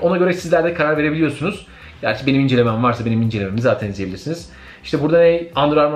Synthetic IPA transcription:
o̞naɟø̞ɾɛsizlʲæɾd̪ɛkʰaɾaɾve̞ɾebilʲijosunuz̥ | ɟ̥æ̰ɾʲt͡ʃʰɛbe̞nimind͡ʒelʲemæmvaɾsabe̞nimind͡ʒe̞lʲememizaːt̪ʰænizijebilʲiɾsiniz̥ | iʃt̪ʰɛbuɾd̪anejand̪ɾˠaɾma

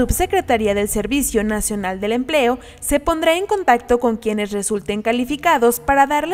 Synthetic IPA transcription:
ubse̞kɾe̞t̪aɾiaðe̞lse̞ɾβisjo̞nasjo̞nald̪e̞le̞mple̞o̞ | se̞po̞nd̪ɾae̞ŋko̞nt̪ak̚t̪o̞ko̞ŋkje̞ne̞sre̞sult̪e̞ŋkalifikaðo̞spaɾaðaɾl

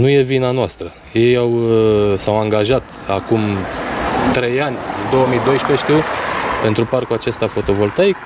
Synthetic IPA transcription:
nuje̞vinanoast̪ɾə | je̞jawsawaŋɡaʒat̪ | akum | t̪ɾe̞janʲɨnd̪o̞wəmijd̪o̞jʃpeʃt̪iupe̞nt̪ɾuparkuat͡ʃe̞st̪afo̞t̪o̞vo̞lt̪ajk

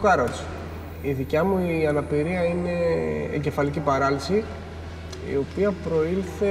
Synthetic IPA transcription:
ɐɾos | iðicɐmuiɐnɐpiɾiɐine̞̰ːɟe̞fɐlicipɐɾɐlisi | ḭo̞piɐpɾo̞ilθe̞

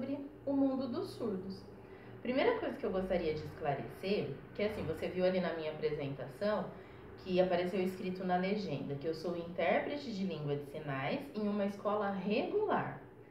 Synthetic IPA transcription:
bɾɪ | ʊmũnd̪ʊd̪ʊsuɾd̪ʊs | pɾimejɾɐkojzɐkɪewɡost̪aɾiɐd͡ʒɪːsklaɾḛseɾkɪasĩvoseviwalinɐmĩɲɐapɾezẽnt̪asɐ̃w̃ | kʰɪapaɾesewiskɾit̪ʊnɐleʒẽnd̪ɐkɪewsowĩnt̪ɛɾpɾet͡ʃɪd͡ʒɪlĩŋɡwɐd͡ʒɪsinajzẽj̃ũmɐiskɔlɐɦeɡulaɾ

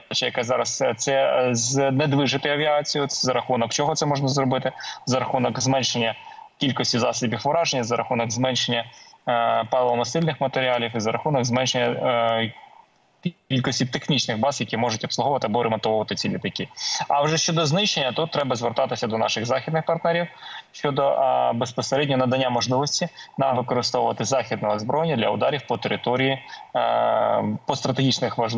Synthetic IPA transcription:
t͡ʃɛjɐkɛzɑɾɐst̪sɛzned̪ʋɪʒɪt̪ɪjɐʋʲiɑt͡sʲijʊt̪sɛzɐɾɐxunɔkt͡ʃɔɦɔt̪sɛmɔʒnɐzrɔbɪt̪ɪzɐɾɐxunɔkzmɛnʲʃenʲːɐkʲilʲkɔsʲtʲizɑsʲɪbʲifʋʊɾɑʒenʲːɐzɐɾɐxunɔɡzmɛnʲʃenʲːɐ | pɛlˠɔmɐsɪlʲnɪxmɐt̪eɾʲiɑlʲiwizɐɾɐxunɔɡzmɛnʃenʲːɐ | kʲilʲkɔsʲtʲit̪exnʲit͡ʃnɪxbɑzjɐkʲimɔʒʊtʲɔpslˠʊɦɔʋɐt̪ɪɐbɔɾɪmɐt̪ɔwʊʋɐt̪ɪt͡sʲilʲit̪ɐkʲiɐwʒɛʃt͡ʃɔd̪ɔznɪʃenʲːɐt̪ɔt̪ːɾɛbɐzʋert̪ɑt̪ɪsʲɐd̪ɔnɑ̰ʃɪɣzɑxʲid̪nɪxpɐrt̪nɛɾʲiwʃt͡ʃɔd̪ɔbespɔseɾɛdʲnʲɔɔnɐd̪ɐnʲːamɔʒlˠɪʋɔsʲtʲinɑmʋɪkɔɾɪst̪ɔʋwʊʋɐt̪ɪzɑxʲid̪nɔɦɔzbɾɔjɪnʲːɐd̪lʲɐʊd̪ɑɾʲiwpɔt̪eɾɪt̪ɔɾʲiji | pɔst̪ɾɐt̪eɦʲit͡ʃnɪxʋɐʒlˠ

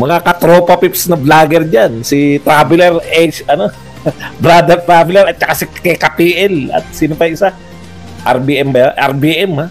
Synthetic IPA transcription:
mɐŋakɐt̪ɾoːpɐpipsnɐblaːɡɛɾd͡ʒansɪt̪ɾaːbɪlɛɾʔet͡ʃɐno | bɾaːd̪ɛɾt̪ɾaːbɪlɛɾʔɐt̪̚t͡ʃɐkasɪkɛkɐpiːʔɛlɐ̰t̪̚siːnopɐjʔɪsa | ʔa̰ɾbiʔɛmbɐjaʔɛ̰ɾbiːʔɛmha

